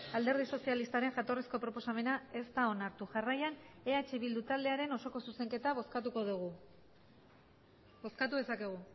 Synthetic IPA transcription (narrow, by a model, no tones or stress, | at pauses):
ald̪e̞ɾðiso̞sialist̪aɾe̞ŋʝat̪o̞resko̞pɾo̞po̞same̞nae̞st̪ao̞naɾt̪uʝarajane̞at͡ʃiβ̞ild̪ut̪ald̪e̞aɾe̞no̞so̞ko̞suse̞ŋke̞t̪aβoskat̪uko̞ðuɣ̞u | bo̞skat̪uðe̞sake̞ɣ̞u